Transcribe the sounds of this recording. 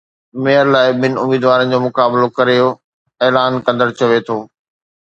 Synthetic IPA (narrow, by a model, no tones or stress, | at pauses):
meːəɾlaːɪɓɪnɪ̆ʊmiːd̪ʋaːɾənɪ̆d͡ʑoːmʊkaːblokɐɾejo | eːlaːnkɐ̃nd̪əɽt͡ɕɐʋet̪ʰoː